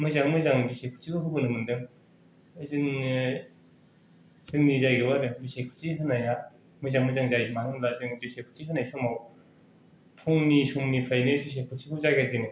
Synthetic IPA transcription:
mɯzaŋmɯzaŋbisekʰu̥t͡ʃʰikʰɯɦɯbɯnɯmɯndɯŋ | ɯzɯŋ | zɯŋnizajɡɯwaɾɯbisekʰu̥iɦɯnaja | mɯjzaŋmɯzaŋzajmanɯŋlazɯŋbisekʰu̥t͡ʃiɦɯnajsʰɔŋmaw | pʰuŋnisumnipʰajnɯbis̬ekʰutʰikʰɯzaɡezɯnɯ

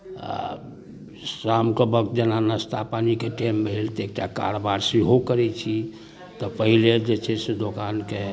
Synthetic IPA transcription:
a̰ | sɾamkəbəkt̪̚d͡ʒənanəst̪apanikeʈembʱelt̪ek̚ʈaka̰ɾobaɾsiɦokəɾɛt͡ʃʰi | t̪ɔpəɦiled͡ʒet͡ʃʰɛsed̪okanke

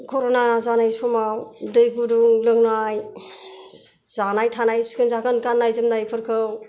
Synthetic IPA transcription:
kʰɔɾonazanajsɔmawdɯjɡuduŋlɯŋnaj | z̥anajtʰanajskʰɯnzakɯnkanːajzɯmnajpʰɯɾkʰɯw

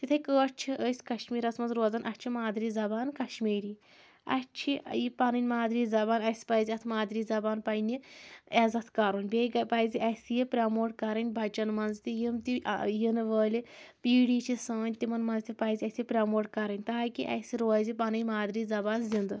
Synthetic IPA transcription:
t̪it̪ʰɐkəːt͡ʃʰiəsʲkɐʃmʲiːɾɐsmɐnzɾoːzɐnʔɐt͡ʃʰimaːd̪ɾiːzɐbaːnkɐʃmiːɾiː | ɐ̰t͡ʃʰijipɐnɐnʲmaːd̪ɾiːzɐbaːnɐsʲpɐjzʲiɐt̪ʰmaːd̪ɾiːzɐbaːnpɐjnʲiɛzɐt̪ʰkɐɾuːnʲbʲeɡɐpɐjzʲiʔɐsjipʲɾʲɐmoːʈkɐɾɐnʲbʱɐt͡ʃɐnmɐnzt̪ijimt̪ḭjinɨʋəːlʲipiːɽiːt͡ʃʰisɐːnʲt̪imɐnmɐnzt̪ʲipɐjzʲiɐsjipʲɾʲɐmoːʈ̚kɐɾɐnʲt̪aːkiʔɐ̰sʲiɾoːzʲipanɨnʲmaːd̪ɾiːzɐbaːnzʲind̪ɨ

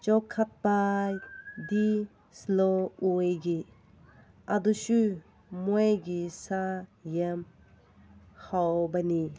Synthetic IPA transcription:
t͡ʃɔkʰat̚pa | di | sloujɡi | ɐdusu | mujɡisajam | hawbɐni

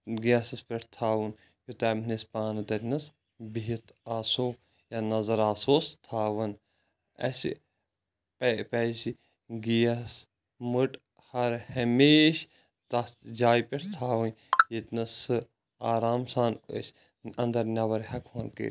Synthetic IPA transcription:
ɡijɐsɨspʲeʈʰt̪ʰaːʋun | jot̪aːmnispaːnɨt̪ɐtʲnɨs | biit̪aːsoː | janɐzɐɾaːsoːst̪ʰaːʋɐn | ɐ̰s | ppɛsi | ɡijɐs | mɨʈ | hɐɾhɐmeːʃ | t̪ɐd͡ʒaːjpʲeʈʰt̪ʰaːʋun | jit̪nɨsɨ | aːɾaːmsaːnə̰s | ɐnd̪ɐɾnʲɐʋɐɾhɐkʰhɐnkḛːɾʲ

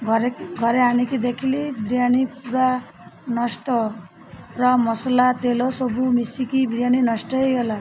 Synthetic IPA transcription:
ɡʱɔɾeɡʱɔɾeaɽ̃ikid̪ekʰilibɾijaɽ̃ipuɾa | nɔsʈɔ | pɾamɔsɔlat̪elɔsɔbʱumisikibɾijaɽ̃inɔsʈɔejɡɔla

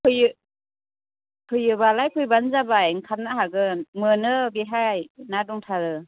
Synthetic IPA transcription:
kʰɯjɯ | kʰɯjɯbalajkʰɯjbanzabajŋkʰap̚naɦaɡɯmɯnɯbeɦajnadɔŋtʰaɾɯ

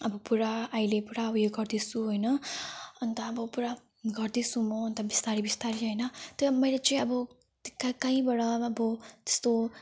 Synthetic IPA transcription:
ʌbʌpuɾaajlepuɾaujeɡʌrd̪isuɦojnʌʌnt̪ʌːbʌpuɾa | ɡʌrd̪isumoːnt̪ʌbist̪aɾibist̪aɾiɦʌjnʌt̪ʌʌmʌjlet͡sʌĩʌbʌ | kakaĩbʌɽʌʌbʌt̪e̥st̪o

